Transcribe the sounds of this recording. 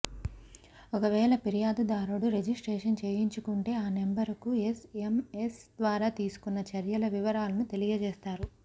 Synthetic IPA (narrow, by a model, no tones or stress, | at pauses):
ɔkɐʋɛːlɐpiɾijaːd̪ud̪aːɾuɽuɾe̞d͡ʒisʈɾeːʂɐnt͡ʃeːjiɲt͡ʃukuɳʈe̞ːaːnembɐɾkuesemesd̪ʋaːɾaːt̪iːsu̥kunːɐt͡ʃɐɾjɐlɐʋiʋɐɾaːlɐnut̪e̞lijɐd͡ʒeːst̪aːɾu